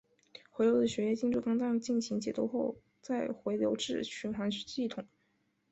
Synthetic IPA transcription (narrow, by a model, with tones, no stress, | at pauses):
xwe˧˥ɪljo˧˥ʊd̪ə˩ɕɥɛ˧˥jɛ˥˧t͡ɕi˥˧nʈ͡ʂu˥˩kɑ˥ŋt̪ɑ˥˧ŋt͡ɕi˥˩nɕi˧˥ŋt͡ɕjɛ˨˩t̪u˥˧xo˥˧ʊ | t͡sa˥˩ɪxwe˧˥ɪljo˧˥ʊʈ͡ʂɻ̩˥˩ɕʰy˧˥nxwa˧˥nɕi˥˩t̪ʰʊ˨˩˦ŋ